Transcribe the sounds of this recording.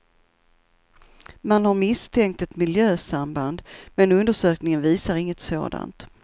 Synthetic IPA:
manhaɾmɪst̪ʰɛŋk̚t̪ɛt̪mɪljøːsamband̪mɛnɵnd̪əʂøːknɪŋənviːsaɾɪŋːət̪so̰ːd̪a̰nt̪

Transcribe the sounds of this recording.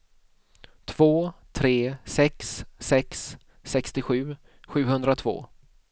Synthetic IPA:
t̪ʰv̥oːt̪ʰɾeːsɛksːɛksː | ɛkst̪ɪɧʉ̟ː | ɧʉ̟ːhɵnd̪ɾat̪ʰvo̰ː

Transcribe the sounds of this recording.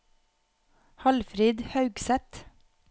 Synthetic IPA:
hɑlfɾiːd̪hɑʉɡsɛt̪

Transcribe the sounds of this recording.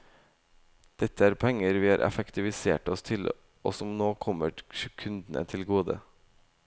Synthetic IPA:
d̪̥ɛt̪ʰːəæːɾpʰɛŋːəɾʋiːhɑːɾʔɛ̰fəkt̪ɪʋɪsḛːʈɔst̪ʰɪl | ʔo̰sɔmnoːkʰɔmːəɾʃʉkʰʉnd̪n̩ə̰t̪ʰɪlɡoːd̪ə̰

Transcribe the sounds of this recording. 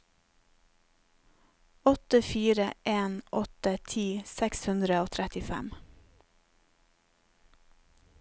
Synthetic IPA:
ɔt̪əfiːɾəʔeːnʔɔt̪ət̪ʰiːsɛkshʉnd̪ɾəoːt̪ʰɾɛt̪ɪfæ̰m

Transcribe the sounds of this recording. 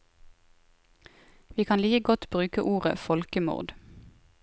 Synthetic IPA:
ʋiːkʰɑːnliːəɡɔt̪bʁʉːkəʔuːʁə̰fɔlkəmṵʁd̪

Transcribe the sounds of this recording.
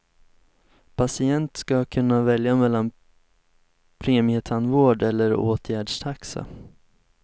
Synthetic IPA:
pʰasɪɛnt̪skakʰɵnːavɛljamɛlːan | pʰɾeːmɪət̪ʰanvoːɖɛlːəɾo̰ːt̪ʰjæːɖʂt̪ʰaksa̰

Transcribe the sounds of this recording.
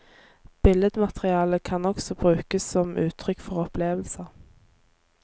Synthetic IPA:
b̥ɪləd̪mɑt̪ʁɪɑːləkʰɑnɔksɔbʁʉːkəssɔmʔʉːt̪ʰʁʏkfɔʁɔpleːʋəlsə

